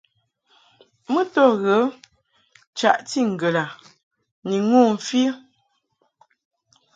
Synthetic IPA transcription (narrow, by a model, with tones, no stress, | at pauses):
mə˦tɔ˦˨ɣə˨˦ | t͡ʃa̰˨ʔti˦ŋ̩˨ɡə˨la˨ | ni˨ŋu˦˨m̩˨fi˦